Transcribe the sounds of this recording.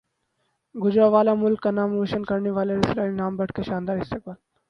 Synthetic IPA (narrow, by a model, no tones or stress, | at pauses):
ɡʊd͡ʒɾaʋaːlamʊlkːanaːmɾoːʃənkəɾneʋaːleɾɪsɾaːɾinaːmbəʈkeʃaːnd̪aːɾɦɪst̪ek̚bəl